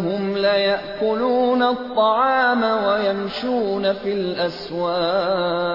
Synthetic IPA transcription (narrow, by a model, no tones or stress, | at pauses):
hʊmlajaʔʔkʊluːnat̪ˤːɑʕɑːmawajamʃuːnafilʔaswaːʔ